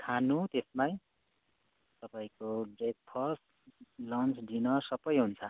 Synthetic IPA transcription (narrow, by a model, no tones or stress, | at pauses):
kʰanut̪esmaj | t̪ʌpaĩkoɡet̪̚pʰʌs | lʌnt͡sɖinʌsʌbʌjɦunt͡sʰʌ